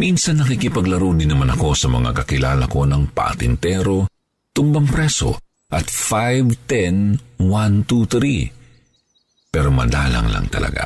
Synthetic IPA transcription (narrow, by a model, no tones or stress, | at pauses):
minsɐnːɐkikɪpɐɡlɐɾowd̪ɪnɐmanɐko̞sɐmɐ̰ŋa̰kɐkɪlaːlɐko̞nɐŋpɐ̰ʔɐt̪ɪnt̪ɛɾo̞ | t̪ʊmbɐŋpɾɛso̞̰ | ʔɐt̪fajvt̪ɛnwant̪ut̪ɾi | pɛːɾo̞mɐ̰d̪aːlɐ̰ŋlɐ̰ŋt̪ɐ̰lɐ̰ɡa̰